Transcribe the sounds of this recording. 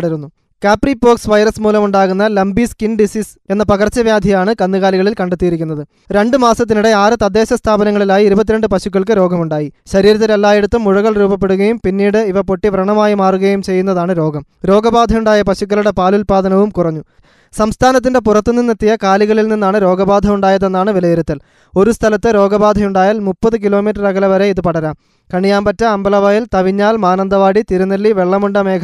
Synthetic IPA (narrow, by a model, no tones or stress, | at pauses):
ɽiɾunːu | kaːpripo̞ːksʋɐjrɐsmuːlɐmuɳɖaːɣunːɐlɐmbiskinɖisiːs | e̞nːɐpɐɣɐrt͡ɕːɐʋjaːd̪ʱijaːɳɨkɐnːɨɣaːliɣɐɭilkɐɳɖet̪ːijiɾikʲːunːɐðɨ | ɾe̞ɳɖɨmaːsɐt̪̬ːinuɽe̞aːrɨt̪ɐd̪ːe̞ːɕɐst̪ʰaːbɐnɐŋːɐɭilaːjiːɾubɐt̪̬ːiɾeɳɖɨpɐɕukːɐɭkɨɾo̞ːɡʱɐmuɳɖaːjiɕɐɾiːɾɐt̪̬ːilɐlːaːjeɽut̪ːɐmːuɻɐɣɐɭruːbɐp̬ːe̞ɽuɣɐjumpinːiːɽɨiʋɐpo̞ʈːiʋrɐɳɐmaːjimaːruɣɐjumt͡ɕe̞jːun̪ːɐðaːɳɨɾo̞ːɡʱɐm | ɾo̞ːɡɐbaːd̪ʱɐjuɳɖaːjɐpɐɕukːɐɭuɽe̞paːlulpaːðɐnɐʋumkurɐɲːu | sɐmst̪ʰaːnɐt̪̬ːinde̞purɐt̪ːɨnːinːɐt̪ːijɐkaːliɣɐɭilninːaːɳɨɾo̞ːɡɐbaːd̪ʱɐmuɳɖaːjɐðe̞nːaːɳɨʋilɐjiɾɐt̪ːil | o̞ɾust̪ʰɐlɐt̪ːɨɾo̞ːɡɐbaːd̪ʱɐjuɳɖaːjaːlmupːɐðɨk̬ilo̞ːmiːʈrɐrɐɡɐlɐʋɐɾe̞iðɨpɐɽɐɾaːm | kɐɳijaːmbɐtːɐɐmbɐlɐʋaːjilt̪ɐʋiɲːaːlmaːnɐnd̪ɐʋaːɽit̪iɾunɐlːiʋe̞ɭːɐmuɳɖɐme̞ːkʰɐ